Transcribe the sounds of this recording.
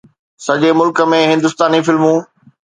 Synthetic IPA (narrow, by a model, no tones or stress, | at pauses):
sɐʄemʊlkə̆mẽɦɪ̃nd̪ʊst̪aːnifɪlmũː